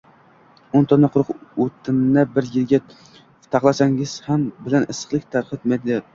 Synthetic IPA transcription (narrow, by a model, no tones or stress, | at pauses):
ʊnt̪ʰɒnɑqʰʊɾʊqɵt̪ʰɪmnabɪɾjɪlɡʲa | t̪ʰɑχlˠasaŋɪz̥hambɪlanɨsɨ̥χlˠɪk̚ʲt̪ʰaɾχɨt̪̚mad̪d̪ɪ